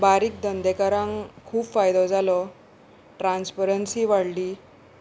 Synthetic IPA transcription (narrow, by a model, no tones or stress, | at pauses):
baɾiːk̚d̪ənd̪ekəɾãŋkʰuːbfajd̪ɔd͡zalɔ | ʈɾanspəɾənsiːʋaɽliː